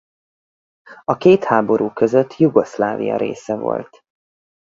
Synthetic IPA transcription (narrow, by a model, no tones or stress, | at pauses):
ɒkeːt̪haːbo̞ɾʔuːkøzøt̪ʰːjuɡo̞slaːvḭjɒ̰ɾḛːsɛvo̞̰lt̪